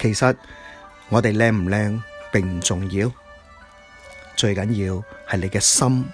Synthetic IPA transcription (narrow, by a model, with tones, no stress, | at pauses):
kʰe˨˩jsɐ˨t̚ | ŋɔː˨˧t̪e˨jlɛː˧ŋm̩˨˩lɛː˧ŋpɪ˨ŋm̩˨˩t͡sʊ˨ŋjiː˧w | t͡ʃɵ˧ɥkɐ˨˥njiː˧whɐ˨jle˨˧jkɛː˧sɐ˥m